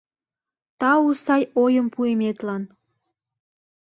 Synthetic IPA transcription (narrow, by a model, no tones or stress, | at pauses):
t̪ɑusɑjojəmpuemet̪lɑn